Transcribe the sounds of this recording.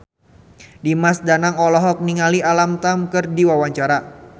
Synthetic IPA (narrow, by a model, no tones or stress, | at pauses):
dimasdanaŋɔlɔɦɔk̚niŋalialamt̪amkɨrdiwawaɲt͡ʃaɾa